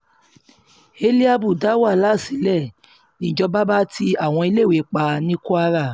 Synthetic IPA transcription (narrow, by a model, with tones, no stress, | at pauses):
e˧li˦a˦bu˦˨da˨˦wa˦˨la˦˨si˨˦lɛ˦˨ | nĩ˨d͡ʒɔ˧ba˦ba˦ti˧a˦˨w̃ɔ̃˧i˧le˦˨we˨˦k͡pa˧nĩ˦ku˦a˧˦ɾa˦˨